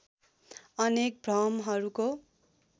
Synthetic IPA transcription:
ʌnek̚brʌmɦʌɾuko

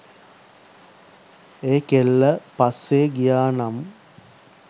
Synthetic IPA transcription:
eːkelːəpaseːɡijaːnam

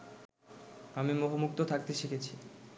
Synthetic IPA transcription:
amimoɦomuk̚t̪ot̪ʰak̚t̪eʃiket͡ɕʰi

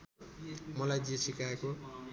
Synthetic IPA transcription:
mʌlajd͡ʒiesikaeko

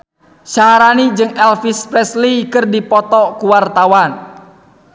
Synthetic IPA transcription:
ʃaɦaɾanid͡ʒɨŋɛlfispɾɛslikɨrdipɔt̪ɔkuwart̪awan

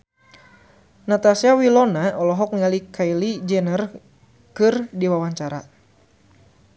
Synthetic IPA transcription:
nat̪asiawilɔnaʔɔlɔɦɔk̚ŋalikʰailid͡ʒɛnər | kɨrdiwawaɲt͡ʃaɾa̰

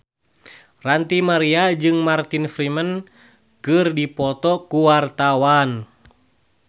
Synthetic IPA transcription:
rant̪imaɾiad͡ʒɨŋmart̪infɾimən | kɨrdipɔt̪ɔkuwart̪awan

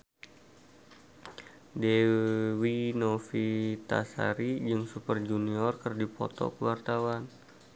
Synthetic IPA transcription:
dewinofit̪a̰sa̰ɾid͡ʒɨŋsupərd͡ʒuniɔrkɨrdipɔ̰t̪ɔ̰kəwart̪awan

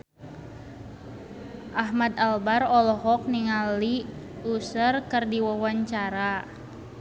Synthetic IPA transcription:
ʔaɦmad̪albarɔlɔɦɔk̚niŋali | usərkərdiwawaɲt͡ʃaɾa

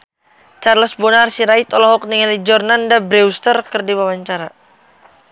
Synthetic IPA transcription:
t͡ʃarləsbɔnarsiɾait̪ɔlɔɦɔk̚niŋalid͡ʒɔrnandabɾɛust̪ərkərdiwawaɲt͡ʃaɾa

